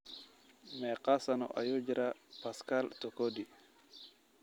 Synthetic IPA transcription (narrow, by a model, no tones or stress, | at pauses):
mɛqasanɔ̰ʔa̰jod͡ʒɾapaskalt̪ɔkodi